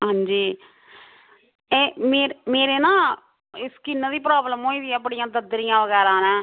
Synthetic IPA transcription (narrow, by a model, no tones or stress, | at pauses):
ɦãːɲd͡ʒiː | eːmeːɾmeːɾeːnãː | ɪskɪnːəd̪iːpɾaːbləmɦoːĩːd̪iɛpːəɽɪjãːd̪əd̪ɾɪjãːʋəɣɛːɾãːnɛ̃ː